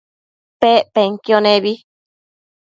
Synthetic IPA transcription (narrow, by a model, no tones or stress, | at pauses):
peʔpeŋkionẽβi